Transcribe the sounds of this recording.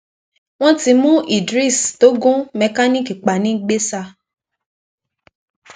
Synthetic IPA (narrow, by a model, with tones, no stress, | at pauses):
w̃ɔ̃˦ti˧mũ˦ʔi˦˨dɾi˦˨sto˦ɡũ˦mɛ̃˧˦ka˦nĩ˦˨ki˨k͡pa˨nĩ˨˦ɡ͡be˦sa˧